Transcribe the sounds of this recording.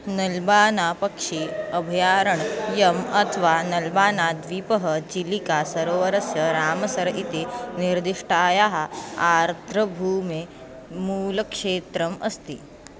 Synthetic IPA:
nɐlbaːnapəkʂiəbʱjaːɾəɳjɐmɐt̪ʰʋanɐlbaːnad̪ʋipəɦət͡ɕilikasəɾoʋəɾəsjəɾaːməsəɾit̪eniɾd̪iʂʈaːjaɦaaɾt̪ʰɾəbʱume | muləkʂeːt̪ɾəməst̪ḭ

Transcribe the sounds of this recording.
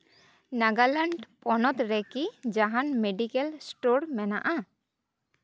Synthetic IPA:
naɡalaɳɖpʼɔnɔt̪ɾɛkid͡ʒaɦanmeɖikɛlsʈoɾmɛna̰ʔa

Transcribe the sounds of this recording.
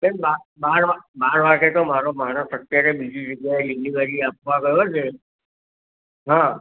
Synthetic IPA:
benbabaɾʋabaɾʋaɡet̪omaɾomaɽ̃əsət̪ːjaɾebid͡ʒid͡ʒəɡjaeliliʋəɾiap̚ʋaɡəjot͡ʃʰe | ɦã

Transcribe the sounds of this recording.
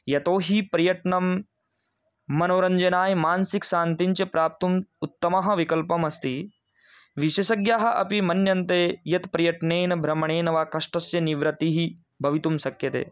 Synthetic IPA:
jɐt̪oːɦipɾɐjɐʈɳɐm | ɐnoːɾɐɲd͡ʒɐnaːjmaːnsikʃaːnt̪iɲt͡ʃɐpɾaːp̚t̪umut̪ːɐmɐɦɐ̆ʋikɐlpɐmɐst̪iː | ʋiʃɐʃɐɡjaːɦɐ̆ʔɐpimɐnjɐnt̪eːjɐt̪pɾɐjɐʈɳeːnɐbʱɾɐmɐɳ̃eːnɐʋaːkɐʂʈɐsjɐniʋɾɐt̪iɦi | bʱɐʋit̪umsɐkjɐt̪ḛː

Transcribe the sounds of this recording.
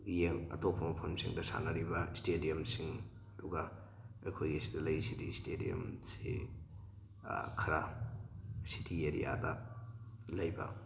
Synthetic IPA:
jemɐ̰topʰɐmɐpʰɐmsḭŋdɐsa̰nɐɾibɐistedijɐmsiŋ | ɐduɡɐ | ɐjkʰojɡisidɐlɐjsidistedḭo̰msḛ | kʰɐɾa | si̥tʰieɾḭja̰dɐ | lɐjbɐ̰

